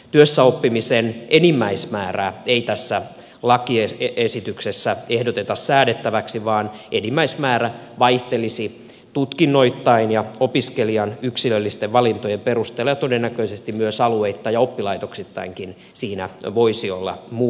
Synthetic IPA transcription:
t̪yøsːæopːimisenʔenimːæismæːræːeit̪æsːæ | lɑkieesit̪yksesːæehdot̪et̪ɑssæːdet̪ːæʋæksiʋɑːnʔenimːæismæːɾæ | ʋɑiht̪elisi | t̪ut̪kinːoit̪ːɑinjɑopiskeliɑnyksilølːist̪eʋʋɑlint̪ojemperust̪eːlojɑt̪odenːækøisest̪immyøsɑlueit̪ːɑjɑopːilɑit̪oksit̪ːɑ̰iŋkin | siːnæʋoisiolːɑ̰muː

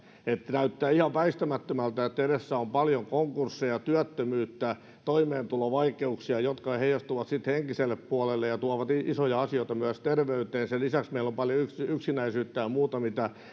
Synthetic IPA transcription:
et̪ːnæyt̪ːæːihɑʋʋæist̪æmæt̪ːømælt̪æet̪ːeɾesːæompɑljoŋkoŋkursːejɑt̪yæt̪ːømyːt̪ːæ | t̪oimeːnt̪uloʋɑikeuksiɑjot̪kɑheijɑst̪uʋɑt̪sit̪heŋkiselːeppuɑlelːejɑt̪uɑʋɑt̪iisojɑɑsijoit̪ɑmyæst̪erʋeyt̪eːnselisæksmeilːompɑljoyksiyksinæisyːt̪ːæjɑmuːt̪ɑmit̪æ

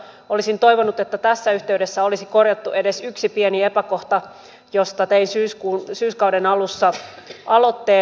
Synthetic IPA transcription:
olisint̪o̞iʋonut̪et̪ːæt̪æsːæyht̪eyde̞sːæolisikorjɑt̪ːue̞de̞syksipieniepækoht̪ɑ | jost̪ɑt̪einsyːskuːnsyːskɑuwdenɑlusːɑ | ʔɑlot̪ːeː

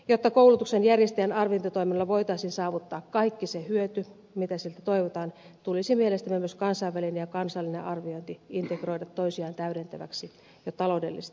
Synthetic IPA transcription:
jot̪ːɑkouwlut̪uksenjærjest̪ejænɑrʋiont̪ɑt̪oiminolːɑʋoit̪ɑisinsɑːʋut̪ːɑːkkɑikːisehyøt̪y | mit̪æsilt̪æt̪oiʋot̪ɑːn | t̪ulisimielest̪æmːæmyøskɑnsɑiʋːælinejɑkɑnsɑlːinḛʔɑrʋioint̪iint̪ekroidɑt̪ːoisiɑːnt̪æyɾent̪æʋæ̰ksi | jot̪ɑloudelːiset̪

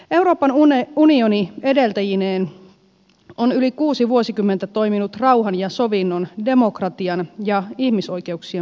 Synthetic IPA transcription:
e̞wɾo̞ːpɑnunionie̞de̞lt̪æjineːn | onylikuːsiʋuosikymːent̪æt̪o̞iminut̪rɑuɦɑnjɑso̞ʋinːonde̞mo̞krɑt̪iɑnjɑihmiso̞jke̞uksiɑ

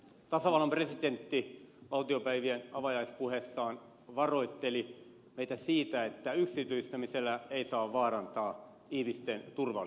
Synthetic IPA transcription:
t̪ɑsɑʋɑlɑmpresit̪ent̪ːiʋɑlt̪iopæiʋienɑʋɑjɑispuhesːɑːn | ʋɑroit̪ːeli | meit̪æsiːt̪æet̪ːæyksit̪yist̪æmiselːæeisɑːʋʋɑːrɑnt̪ɑː | ihmist̪ent̪urʋɑ

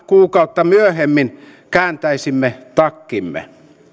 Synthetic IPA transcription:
kuːkɑut̪ːɑmyøhemːin | kæːnt̪æisimːet̪ɑkːimːḛ

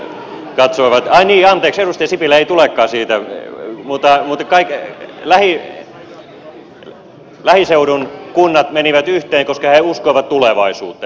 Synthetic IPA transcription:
kɑt̪soiʋɑt̪ɑiniːɑnt̪eːkserust̪ɑɑsipilːæeit̪ulekːɑːsiːt̪æmut̪ːɑmut̪kɑiklæhi | læhiseuɾunkunːɑt̪meniʋæt̪yht̪eːŋkoskɑheuskoiʋɑt̪t̪uleʋɑisṵːt̪ːɑ

